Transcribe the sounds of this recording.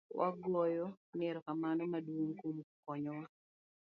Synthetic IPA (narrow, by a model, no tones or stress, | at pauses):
wa̰ɡɔjɔmɛɾɔkamanɔmadwoŋkumkɔɲɔwa